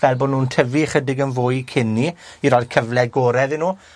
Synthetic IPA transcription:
vɛlˠbɔːnuːntʰəviχədɪɡənvoːjkʰɪniiɾɔːjd̥kʰəvlɛɡoːɾɛðɪnuː

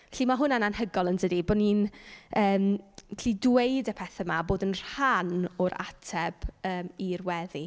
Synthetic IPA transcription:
ɛɬimaɦʊnananhəɡɔlˠəndədibɔninəːmʰɬidwejdəpʰɛθɛmaboːdənr̥hanɔɾa̰tʰɛb̥əːmirwɛði

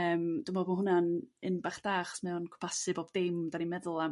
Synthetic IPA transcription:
əːmd̥ʊmboːbmaɦʊnanɨnbaχd̥aːχɔ̥smɛwnkʰʊ̥pʰasɨboːb̚dɪmdanimɛðʊlˠa

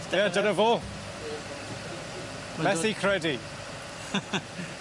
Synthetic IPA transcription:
ɪadənəvoː | mɛsikʰɾ̥ɛdi

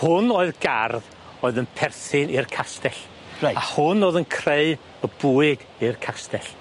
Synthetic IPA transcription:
hʊnoːɨðɡarð | oːɨðənpʰɛrθɪnɪrkʰastɛɬ | raahʊnoːðənkʰreɨ | əb̥uːɨɡ | ɨrkʰastɛɬ

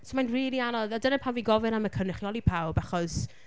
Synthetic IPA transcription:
sɔmajnriːlˠianɔðadənəpʰawviɡɔvɨnaməkʰənɪχiɔlˠipʰawbaχɔs

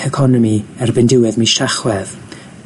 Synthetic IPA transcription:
ɛkʰɔnɔmiɛrbɪndɪwɛðmiʃaχwɛð

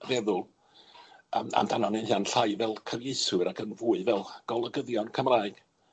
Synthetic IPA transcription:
vɛðʊlˠ | əma̰ndanɔnɪnhiːanɬajvɛlˠkʰərjejsʊɾakʰənvuːɨvɛlˠɡ̥ɔlˠəɡəðjɔnkʰəmraːɨɡ̥

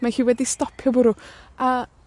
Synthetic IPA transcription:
mahiːwɛdistɔpʰjɔbʊɾua

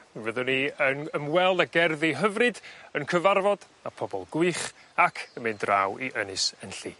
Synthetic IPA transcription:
vəðɔniənəmwɛlˠdaɡɛrðiɦəvrɨdənkʰəvarvɔd | apʰɔbɔ̰lˠɡʊɨχ | akʰəmɪndra̰wiʔənɨsənɬḭː

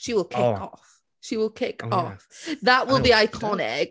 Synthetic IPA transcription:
ʃiwəlˠkʰɪkɔf | ʃiwəlˠkʰɪkɔfðəʔ̚wɪlˠbiaɪkʰɑnɪ̰k

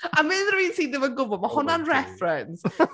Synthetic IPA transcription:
amɪðrəviːntʰiːdɪvəɡʊvɔmahʊnanrɛfrɛns

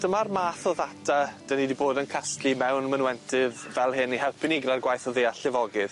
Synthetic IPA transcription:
d̥əmarmaːθɔðatʰad̥ənidiboːdənkʰastʰlimɛwnmənwɛntʰɪðːɛlˠɦɪnihɛlˠpʰɪnɪɡrarɡwajθɔðiːaɬɪvɔɡɨð̥

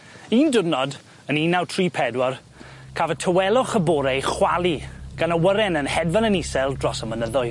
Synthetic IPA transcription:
iːndʊdnɔd | əniːnawtʰriːpʰɛdwɔr | kʰavətʰəwɛlˠɔχəbɔːɾɛjχwalˠiɡ̥anəwəɾɛnənhɛdvanənisɛlˠdrɔsəmənəðʊɨ

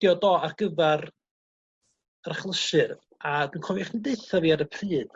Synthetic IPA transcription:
d̥jɔdɔːarɡəvɛr | əraχlˠəʃɨr | adwinkʰɔvjaχnideɨθɔviːaɾəpʰrɨːd̥

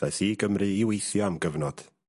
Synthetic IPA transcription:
ajθiɡəmrɨiːwejθjɔamɡəvnɔd̥

